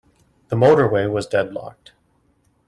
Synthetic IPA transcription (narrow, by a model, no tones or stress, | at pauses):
ðəmoʊɾə˞weɪwʌzdɛdˡlɑ̰k̚t